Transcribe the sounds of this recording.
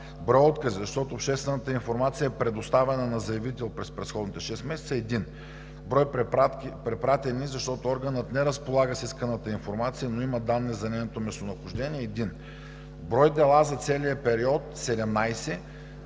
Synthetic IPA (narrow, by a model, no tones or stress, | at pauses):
bɾɔjɔt̪kəsizɐʃt̪ɔt̪oːpʃt̪ɛst̪vɛnət̪əinfoɾmat̪sijəɛpɾɛd̪ʊst̪avɛnənɐzɐjɐvit̪ɛlˠpɾɛspɾɛsxɔd̪nit̪ɛʃɛst̪mɛsɛt̪səːɛd̪in | bɾɔjpapɾɛpɾat̪ɛnizɐʃt̪ɔt̪ʊɔɾɡənət̪nɛɾəspolˠaɡəsiskənət̪əinfoɾmat̪sijənoiməd̪anːɛzɐnɛjnot̪omɛst̪onɐxʊʒd̪ɛniɛːɛd̪in | bɾɔjd̪ɛlˠazɐt̪sɛlijəpɛɾiɔt̪sɛd̪ɛmnajsɛ